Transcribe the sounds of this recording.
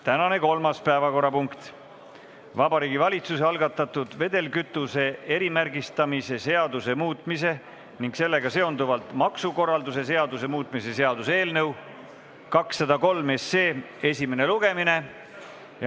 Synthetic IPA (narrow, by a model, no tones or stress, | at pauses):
t̪ænɑne̞ko̞lmɑspæevɑko̞rːɑpuŋkt̪ | vɑbɑɾiːɡivɑlʲit̪suseɑlɡ̥ɑt̪ˑːɑt̪ːud̪̥ve̞d̪e̞lkyt̪ːˑuse̞e̞ɾimærɡist̪ɑmise̞se̞ɑd̪use̞muːt̪ˑmise̞ | niŋɡse̞lːe̞ɡɑse̞o̞nd̪uvɑlt̪mɑksuko̞rːɑld̪use̞s̬e̞ɑd̪use̞muːt̪ːˑmise̞se̞ɑd̪use̞ːlnɤw | kɑksːɑd̪ɑko̞lme̞sːe̞ː | e̞sʲime̞ne̞luɡ̥e̞mine̞ | j